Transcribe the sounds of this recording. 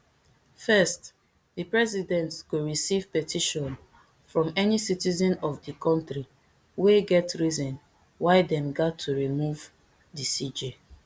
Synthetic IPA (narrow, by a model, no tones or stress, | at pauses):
fɛst | dipɹɛzidɛ̃ntsɡoɹisiv̥pɛtʰiʃɔ̃n | fɹɔ̃mɛnisitizɔ̃nɔfdikɔ̃ntɹi | weɡɛtɹizɔ̃n | waɪdɛ̃mɡatʰːuɹimuv | disid͡ʒe